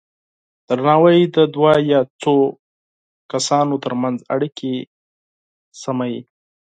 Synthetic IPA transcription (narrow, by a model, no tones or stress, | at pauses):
d̪̥əɾnɑwəjd̪əd̪wajɑt͡so | kasɑnot̪əɾmanza̰ɽikʰe | samaji